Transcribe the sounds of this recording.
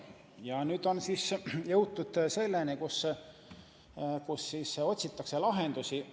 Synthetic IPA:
jɑnyːd̪o̞nsiːsjɤwt̪ːud̪̥se̞lːenikus | kusːiːso̞t̪ʲsit̪ːˑɑkselɑɦe̞nd̪usi

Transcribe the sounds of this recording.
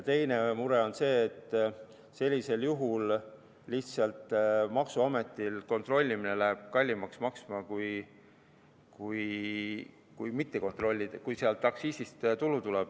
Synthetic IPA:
t̪e̞jne̞muɾe̞o̞nse̞ːt̪ːˑ | se̞lʲːise̞ljuɦulː | iht̪sɑlt̪mɑksuɑme̞t̪ːˑilko̞nt̪ro̞lʲːimine̞læɦeb̥̚kɑlʲːimɑksmɑksmɑkuj | kuj | kujmit̪ːe̞ko̞nt̪ˑro̞lʲːid̥̪kujseɑlt̪ːɑksiːsist̪t̪ulut̪ulɛb̥̚

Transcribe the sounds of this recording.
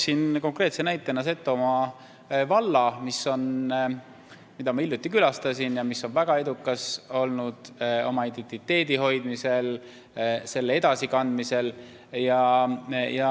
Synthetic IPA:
sinko̞ŋkre̞ːt̪senæjt̪ːˑenːɑs̬e̞t̪ːomɑ | vɑlːɑmisːo̞n | mid̪ɑmɑiljut̪ːˑikylɑst̪ɑsinjɑmisːo̞nvæɡ̥ɑe̞d̪ukːˑɑso̞lnud̪̥o̞̰mɑid̪̥e̞nt̪ːit̪ːe̞ːd̪̥iɦo̞jd̪mise̞l | se̞lːee̞d̪̥ɑsikɑnd̪̥mise̞l | jɑ | jɑ

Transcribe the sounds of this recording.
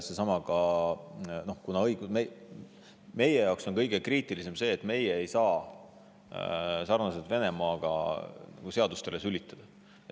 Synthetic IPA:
sesɑmɑɡ̥ɑ | no̞hkunɑɤjɡ̥ume | me̞je̞jɑwkso̞nkɤjɡ̥e̞kriːt̪ˑilise̞mse̞ːt̪ːˑme̞jeːjsɑː | sɑrnɑset̪ve̞ne̞mɑːɡ̥ɑ̰nɑ̰ɡ̥use̞ɑd̪ust̪e̞le̞sylʲit̪ːˑɑd̪̥ɑ

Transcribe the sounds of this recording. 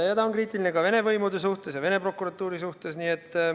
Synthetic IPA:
ɑjæd̪ɑonkriːt̪ˑiline̞kɑve̞ne̞vɤjmud̪esuht̪e̞sjɑve̞ne̞pro̞kːˑuɾɑt̪ːˑuːɾisuht̪e̞sniːet̪ːˑ

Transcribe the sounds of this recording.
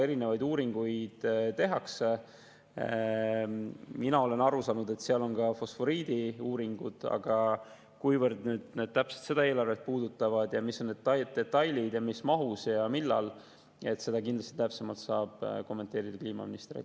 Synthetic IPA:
eɾine̞vɑjd̪uːɾiŋɡ̥ujd̪̥t̪e̞ɦɑkse | minɑo̞le̞nɑɾusɑːnud̪e̞t̪ːseɑlo̞nkɑfo̞sfo̞ɾiːd̪̥iuːɾiŋɡ̥ud̪̥ɑ̰ɡ̥ɑ | kujvərd̪nyːd̪̥ned̪̥̚t̪æpse̥t̪se̞d̪ɑe̞ːlɑrvet̪̚puːd̪̥ut̪ːˑɑvɑd̪̥jɑmisːonːed̪ɑd̪̚t̪e̞t̪ːˑɑjlid̪̥jɑmismɑɦusjɑmilːɑ̰l | e̞t̪ːse̞d̪ɑkind̪lɑst̪i̥t̪æpse̞mɑlt̪sɑːb̥ko̞mːe̞nt̪ˑeːɾid̪̥ɑkliːmɑ̰minist̪eɾḭ

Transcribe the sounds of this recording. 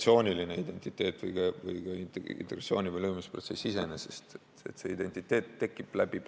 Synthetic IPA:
sio̞ːnʲiline̞id̪e̞nʲt̪ˑit̪ːˑe̞ːt̪ːˑvɯjkɑvɯjkɑint̪ent̪eɡɾɑsio̞ːnʲivəjlɤːmuspro̞t̪se̞sːise̞̰nesest̪ | e̞̰t̪se̞id̪̥e̞nʲt̪ˑit̪ːˑe̞ːt̪ːe̞kːˑib̥læb̥ib̥

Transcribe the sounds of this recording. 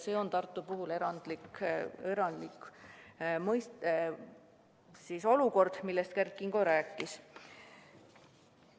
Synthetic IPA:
se̞o̞nt̪ɑrt̪ːˑupuɦule̞ɾɑnd̪̥likeɾɑnd̪lik | mɤjst̪ | siso̞luko̞rd̪̥milːest̪̚kærkːˑiŋɡ̥oɾæːkːˑis

